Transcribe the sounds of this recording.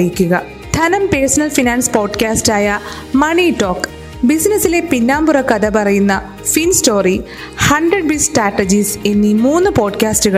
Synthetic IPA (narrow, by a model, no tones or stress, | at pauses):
jikʲːuɣɐ | t̪ʰɐnɐmpersɐnɐlfinaːnspo̞ːɖkaːstaːjɐ | mɐɳiʈːo̞ːkː | bisinɐsːile̞pinːaːmburɐkːɐd̪ɐpɐrɐjunːɐ | finsto̞ːri | hɐɳɖrɐɖ̚bisʈraːʈːɐd͡ʑise̞nːimuːnːɨpo̞ːɖkaːstɨɣɐ